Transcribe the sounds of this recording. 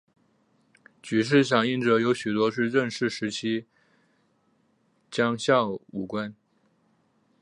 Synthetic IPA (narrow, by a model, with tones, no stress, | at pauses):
t͡ɕy˨˩ʂ̬ɻ̩˥˩ɕ̬jɑ˨˩ŋi˥˩nʈ͡ʂɤ˧˥jo˧˥ʊɕy˨˩t̪wɔ˥ʂɻ̩˥˧ʈ͡ʂə˥˧nʂɻ̩˥˩ʂɻ̩˧˥t͡ɕʰi˥ | t͡ɕjɑ˥ŋɕjɑ˥˩ʊu˨˩kwa˥n